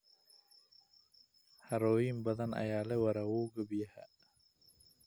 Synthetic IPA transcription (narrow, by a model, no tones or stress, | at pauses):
haɾoːimbɐd̪ɐna̰jaːlewɐɾawuːɡəbiha̰